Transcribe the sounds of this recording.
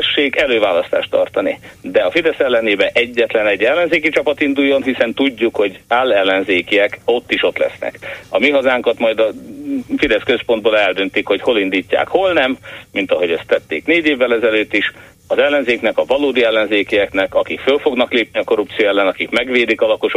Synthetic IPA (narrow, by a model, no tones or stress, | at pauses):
ʃːeːɡɛløːvaːlɒst̪a̰ːʃt̪ɒ̰rt̪ɒnid̪ɛɒfid̪ɛsɛlːɛneːbɛʔɛɟːɛt̪lɛnɛɟːɛlːɛnzeːkit͡ʃɒpɒt̪ind̪ujːo̞nɦisɛnt̪uɟːukho̞ɟaːlːɛlːɛnzeːkiɛko̞t̪ːiʃo̞t̪lɛ̰snɛ̰kɒmiɦɒzaːŋkɒt̪mɒjd̪ɒfid̪ɛskø̞spo̞nd̪boːlɛld̪ø̞nt̪ikho̞cho̞lind̪iːcːa̰ːkho̞lnɛmːint̪ɒɦo̞ɟɛst̪ːɛt̪ːḛːkneːɟeːvːɛlɛzɛløːt̪ːiʃ | ɒzɛlːɛnzeːknɛkɒvɒloːd̪iɛlːɛnzeːkiɛknɛkɒkikfølfo̞ɡnɒkleːpniɒko̞ɾup̚t̪sijoɛlːɛnɒkikmɛɡʋeːd̪ikɒlɒko̞ʃo